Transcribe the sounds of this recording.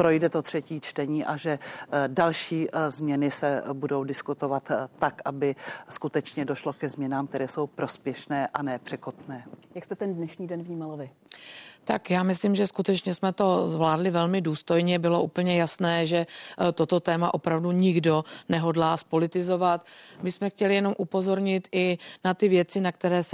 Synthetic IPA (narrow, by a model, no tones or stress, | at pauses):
pɾojdɛt̪ot̪r̥ɛciːt͡ʃt̪ɛɲiːʔaʒɛdalʃiːzmɲɛnɪsɛbudo̞wdɪskut̪ovat̪ːakʔabɪskut̪ɛt͡ʃɲɛdoʃlokɛzmɲɛnaːmkt̪ɛɾɛːso̞wpɾo̞spjɛʃnɛːʔanɛːpr̝̥ɛkot̪nɛːjakst̪ɛt̪ɛndnɛʃɲiːdɛnvɲiːmalvɪ | t̪akjaːmɪslɪmʒɛskut̪ɛt͡ʃɲɛsmɛt̪o̞zvlaːdlɪvɛlmɪduːst̪o̞jɲɛbɪlo̞ʔuːpl̩ɲɛjasnɛːʒɛt̪o̞t̪o̞t̪ɛːmaʔo̞pɾavduɲɪɡdo̞nɛɦo̞dlaːspo̞lɪt̪ɪzo̞vat̪mɪsmɛxcɛlɪjɛno̞mʔupo̞zo̞ɾɲɪt̪ɪnat̪ɪvjɛt͡sɪnak̚t̪ɛɾɛːs